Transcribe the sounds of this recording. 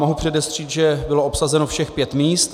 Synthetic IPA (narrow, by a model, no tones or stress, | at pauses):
moɦupr̥ɛdɛsr̝̥iːt̪ʒɛbɪlo̞ʔopsazɛnofʃɛxpjɛt̪miːst̪